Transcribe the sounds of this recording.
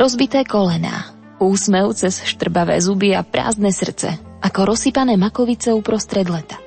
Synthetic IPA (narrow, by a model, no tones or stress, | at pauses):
ɾɔzbit̪ɛːkɔlɛna̰ː | uːsmɛʊt͡sɛsʃt̪r̩baʋɛ̰ːzubiapɾa̰ːzd̪nɛsr̩t͡sɛ̰ | ʔakɔɾɔsipanɛːmakɔʋit͡sɛupɾɔst̪ɾɛd̪lɛt̪ḁ